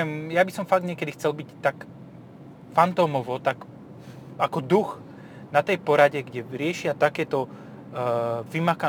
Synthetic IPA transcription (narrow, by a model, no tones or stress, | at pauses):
ɛmjabisɔmfaɡ̚d̪ɲɛkɛd̪ixt͡sɛlbict̪ak | fant̪ɔːmɔʋɔt̪ak | akɔd̪ux | nat̪ɛjpɔɾaɟɛɡɟɛɾɪɛʃɪat̪akɛːt̪ɔ | ʋimaka